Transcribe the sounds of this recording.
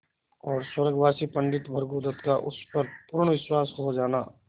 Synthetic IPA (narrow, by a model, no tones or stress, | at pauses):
ɔːɾswɐɾəɡʋaːsipɐ̃ɳɖɪt̪bʱɐɾɡuːd̪ət̪kaʔʊspɐɾpʊːɾɳʋɪswaːsɦod͡ʒaːnaː